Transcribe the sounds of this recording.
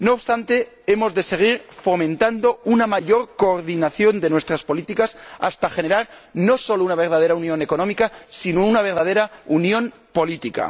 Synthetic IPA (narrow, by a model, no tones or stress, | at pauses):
no̞ːβst̪ant̪e̞ | e̞mo̞zðe̞se̞ɣ̞iɾfo̞mẽ̞nt̪and̪o̞unamaʝo̞ɾko̞ːɾðinaθjo̞nd̪e̞nwest̪ɾaspo̞lit̪ikasa̰st̪axe̞ne̞ɾaɾno̞so̞lounaβ̞e̞ɾðað̞e̞ɾaunjo̞ne̞ko̞nomikasinounaβ̞e̞ɾðað̞e̞ɾaunjõ̞m | po̞lit̪ika̰